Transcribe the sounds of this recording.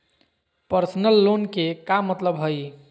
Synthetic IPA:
pəɾsnəlːonkekamːət̪ləbɦoj

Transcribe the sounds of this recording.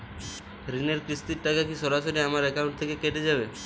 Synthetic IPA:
ɾineɾkɾist̪iɾʈakakisɔɾaʃoɾiamaɾɛkawɳʈ̚t̪ʰekekeʈed͡ʒabe

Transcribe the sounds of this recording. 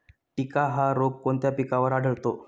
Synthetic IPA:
ʈikaɦaɾoɡ̚koɳt̪japikaʋəɾaɽ̤ʱəɭt̪o

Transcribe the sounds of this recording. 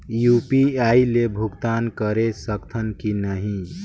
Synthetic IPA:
jupiailebʱuɡt̪ankəɾesəkt̪ʰənkinəɦĩ

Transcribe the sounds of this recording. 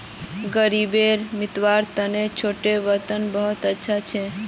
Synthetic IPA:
ɡəɾibeɾmɪt̪ʋaɾt̪ənet͡ʃʰoʈeʋət̪ənbəɦot̪ətːʃʰat͡ʃʰe

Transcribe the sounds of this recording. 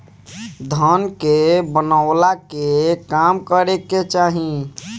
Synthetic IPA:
d̪ʱənkebənəʊlakekamkəɾeket͡ʃaːɦĩ

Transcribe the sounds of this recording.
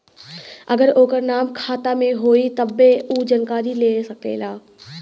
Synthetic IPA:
ɐɡəɾoːkəɾnaːmkʰaːt̪amẽɦoːit̪ɐbːeuːd͡ʒankaːɾileːsɐkḛːlaː

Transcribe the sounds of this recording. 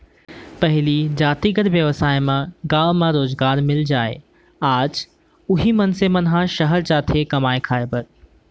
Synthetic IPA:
pɐɦɪlid͡ʒaːt̪iɡəɾʋjəʋsaːjmãɡãːʋmãɾoːzɡaːɾmɪld͡ʒaːḛː | aːd͡ʒ | ʊɦimɐnsemɐnɦãʃɐɦəɾt͡ʃaːt̪ʰekɐmaːekʰaːebəɾ

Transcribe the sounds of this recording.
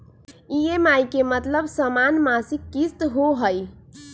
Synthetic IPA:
iemajkemət̪ləbsəmanmasikːist̪ɦoɦəj

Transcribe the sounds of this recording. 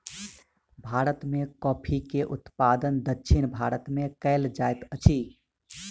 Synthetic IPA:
bʱaɾət̪mekɔpʰikeʔut̪pad̪ənd̪ətːʃʰinbʱaɾət̪mekɛɪld͡ʒajt̪ət͡ʃʰi

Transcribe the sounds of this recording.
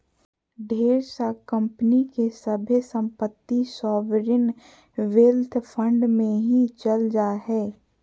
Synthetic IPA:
ɖʱeːɾsakə̃mpnikesəbʱesə̃mpət̪ːisɔːʋɾɪn | ʋeːlt̪ʰpʰə̃ɳɖmẽɦit͡ʃəld͡ʒaɦɛː

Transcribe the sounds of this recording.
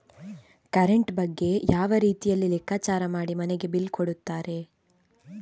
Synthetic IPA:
kɐɾeɳʈbɐɡːe̞jaːʋɐɾiːt̪ijɐlːilɛkʰːaːt͡ʃaːɾɐmaːɽimɐneɡe̞bilkoɽut̪ːaːɾe̞

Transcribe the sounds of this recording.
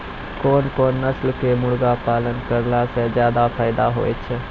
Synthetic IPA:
koːnkoːnːəslkemʊɽɡapaːlənkəɾlased͡ʒjaːd̪apʰaːɪd̪aɦo̰ːet͡ʃʰ

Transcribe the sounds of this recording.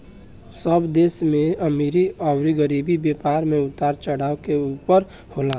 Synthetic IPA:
səbd̪eːsmẽəmiɾiɔʊɾiɡəɾibibjepaːɾmẽʊt̪aːɾt͡ʃəɽaːokeuːpəɾ | holaː

